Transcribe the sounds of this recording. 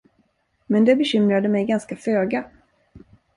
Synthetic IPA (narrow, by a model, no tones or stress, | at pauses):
mɛnd̪ɛbɛɕʏmɾad̪əmɛjɡanskaføːɡa